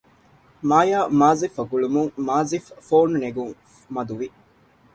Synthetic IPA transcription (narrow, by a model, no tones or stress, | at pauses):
maːjaːmaːzifɐɡuɭumuŋmaːziffoːnneɡuŋ | mɐd̪uʋi